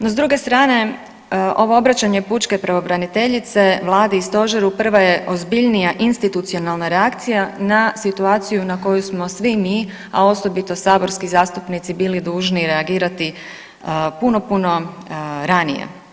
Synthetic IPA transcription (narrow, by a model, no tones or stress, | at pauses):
nozd̪ɾuːɡe̞st̪ɾaːne̞ | ʔo̞ʋo̞obɾat͡ɕaɲe̞put͡ʃkepɾaʋo̞bɾanit̪e̞ʎit̪seʋlˠaːd̪iist̪o̞ʒeɾupr̩ʋaje̞ʔo̞zbiʎnijaʔinst̪it̪ut̪sio̞nalˠnaɾe̞akt̪sijanasit̪uaːt̪sijunako̞jusmo̞sʋimiː | a̰o̞so̞bit̪o̞saːbo̞ɾskizaːst̪upnit̪sibiːlid̪uːʒniɾe̞aɡiːɾat̪i | puno̞puno̞ | ɾanijḛ